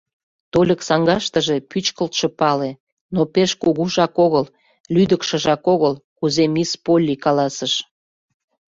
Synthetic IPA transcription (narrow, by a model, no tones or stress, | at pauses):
t̪olʲəksɑŋɡɑʃt̪əʒe̽pyt͡ɕkəlt̪ʃə̆pɑle | nopeʃkuɣuʒɑkoɣəl | lyd̪əkʃə̆ʒɑkoɣəlkuzemispolʲːikɑlɑsəʃ